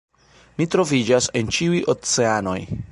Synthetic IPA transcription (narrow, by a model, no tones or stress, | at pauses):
mitɾo̞vid͡ʒase̞nt͡ʃiujʔot͡se̞ano̞̰j